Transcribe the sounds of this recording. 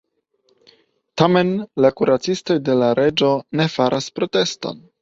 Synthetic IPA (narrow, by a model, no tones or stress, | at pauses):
tame̞nlakuɾat͡sisto̞jde̞laɾe̞d͡ʒo̞ne̞faɾʔaspɾo̞te̞sto̰n